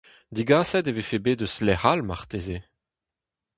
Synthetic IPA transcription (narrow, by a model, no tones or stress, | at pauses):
d̪iɡaːsɛd̪evefebeːd̪øslɛʁalmaʁt̪eze